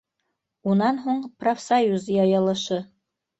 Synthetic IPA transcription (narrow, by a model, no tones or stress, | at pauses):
unɑnɦuɴprofsajuzjɑjɤ̆lˠɤ̆ʃɤ